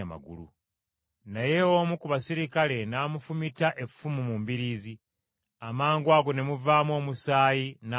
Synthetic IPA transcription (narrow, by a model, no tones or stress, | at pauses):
ama̰ɡṵlṵ | najewomukuβasiɾikale̞naːmufumitaʔe̞ffumumuːmbiɾiːzi | amaːŋɡwaːɡo̞ne̞muvaːmwo̞ːmusaːjina